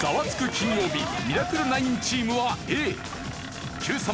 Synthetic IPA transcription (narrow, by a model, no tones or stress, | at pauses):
ɡ̥aβat͡sɨ̥kɯ̟kʲĩɲ̃jo̞ːbʲimʲiɾakɯ̟ɾɯ̟naĩɲt͡ɕiːmɯ̟βaeː | kʲɨːsa